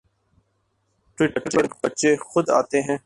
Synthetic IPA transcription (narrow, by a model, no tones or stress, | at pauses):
ʈiːʈəpɐɾbɐtːʃexʊd̪a̰ːt̪eɦɛ̃ː